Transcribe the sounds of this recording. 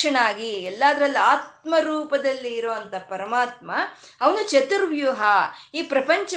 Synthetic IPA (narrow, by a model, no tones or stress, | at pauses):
ɐɳaːɡiɛlːaːd̪ɐɾɐlːiaːt̪̚mɐɾuːpɐd̪ɐlːiːɾoːɐnt̪ɐpɐɾɐmaːt̪̚mɐ | ɐʋɐnut͡ʃɐt̪uɾʋjuɦɐiːpɾɐpɐɲt͡ʃɐ